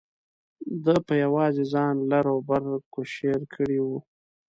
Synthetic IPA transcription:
d̪əpəjawɑzezɑnlaɾawbaɾkoʃeɾkʰəɽiwu

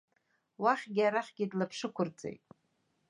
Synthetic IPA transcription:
waχʲɡʲɪaɾaχʲɡʲɪdlapʰʂɨkʷʰʊrd͡zʼḛjtʼ

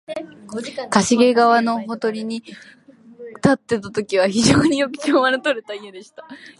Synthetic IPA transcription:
kaɕiɡe̞ɡaβano̞ɦo̞t̪o̞ɾʲiɲ̟i | t̪at̪ːe̞t̪at̪o̞kʲiβ̞açiʑo̞ːɲ̟ijo̞kɯ̟̥kʲoːmanɯt̪oɾet̪aiod̪e̞ɕi̥t̪ḁ

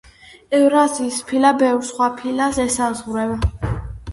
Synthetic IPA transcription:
ɛvɾaziːspʰilabɛvɾsχwapʰilasɛsazʁɾɛva

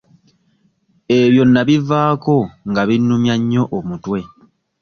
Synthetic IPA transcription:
e̞βjo̞nːaβivaːko̞ŋɡaβinːumjaɲːo̞ʔomutwe̞

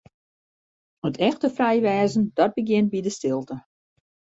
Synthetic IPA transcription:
ətʰɛxtəfrɛjʋɛːzən̩d̥ɔt̚bəɡjɪnt̚bidəstɪlˠtə

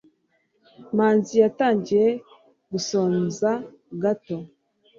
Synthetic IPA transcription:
maːnzijataːɲɟiɾe̞ | ɡuso̞ːnza | ɡato̞

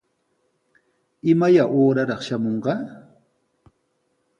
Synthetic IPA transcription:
ɪmajaʔoːɾaɾɑχʃamoɴɢɑ

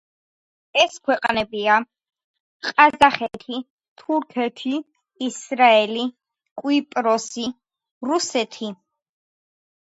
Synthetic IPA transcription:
ɛskʰwɛqʼnɛbia | qʼazaχɛt̪ʰi | t̪ʰuɾkʰɛt̪ʰiː | sɾaɛli | kʼwipʼɾɔsi | ɾusɛt̪ʰi

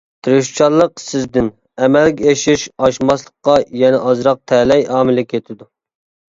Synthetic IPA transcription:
t̪ʰɨɾuʃt͡ʃʰɑɾlˠːəqsɪzd̪ɪn | ɛmɛlɡʲɛeʃɪʃɑʃmɑslˠəqːɑjɛnɛʔɑzɾɑq̚t̪ʰɛlɛjɑːmɪlɪkʲʰet̪ʰɪd̪u

